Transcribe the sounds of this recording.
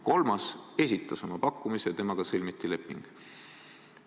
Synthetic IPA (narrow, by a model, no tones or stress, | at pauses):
ko̞lmɑse̞sʲit̪ːˑɑso̞mɑpɑkˑːumisejɑt̪emɑɡ̥ɑselʲmit̪ːˑile̞pˑːiŋɡ̥